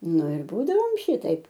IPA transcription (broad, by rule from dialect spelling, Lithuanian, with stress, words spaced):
ˈnʊ ɪr ˈbuːdɐʋoːm ˈʃʲiːtɐɪp